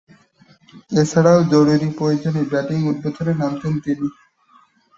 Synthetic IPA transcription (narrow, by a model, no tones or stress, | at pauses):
et͡ɕʰaɽaod͡ʑoɽuɾipɾojod͡ʑonebɛʈiŋut̪̚bot̪ʰoɾenamt̪ent̪ini